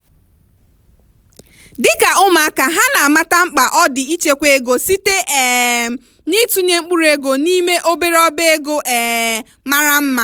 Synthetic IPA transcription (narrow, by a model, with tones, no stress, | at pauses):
dɪ˦ka˨ʊ˦ma˨a˦ka˨ɦa˦na˨a˨ma˦ta˦ŋ͡m̩˦k͡pa˨ʔɔ˦dɪ˨i˦t͡ʃe˦kʷe˦e˦ɡo˨si˦te˦ʔɛ˨ | ni˦tu˦ɲe˦ŋ͡m̩˦k͡pu˦ɾe˦ɡo˨ni˦me˦ʔo˦be˦ɾɔ˦be˦e˦ɡo˦ʔɛ˨ | ma˦ɾa˦m̩˦ma˦